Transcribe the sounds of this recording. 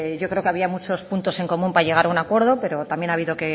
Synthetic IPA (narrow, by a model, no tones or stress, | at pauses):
ʝokɾeo̞keaβiamut͡ʃo̞spunt̪o̞se̞ŋko̞mũmpaʎe̞ɣaɾaunakwe̞ɾð̞o̞pe̞ɾo̞t̪ambje̞naβ̞iðo̞ke̞